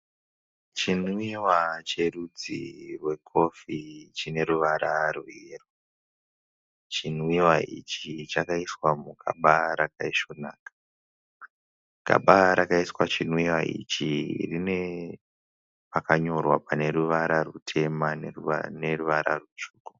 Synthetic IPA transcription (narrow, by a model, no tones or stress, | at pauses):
t͡ʃinwiwat͡ʃe̞rud͡zḭrwe̞kʰo̞fit͡ʃine̞ɾuʋaɾaruero | t͡ʃinwiwait͡ʃit͡ʃakaiswamukʰa̰ɓaɾakaiʃonaːkḁ | ka̰ɓaɾakaiswat͡ʃinwiwaʔḭt͡ʃirine̞ | pakaɲo̞rwapane̞ɾuʋaɾarutʰe̞manneruʋaɾa̰rut͡ʃuːko